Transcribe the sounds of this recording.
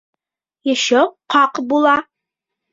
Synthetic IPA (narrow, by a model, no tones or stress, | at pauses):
jɤ̆ɕoqɑqbulˠɑ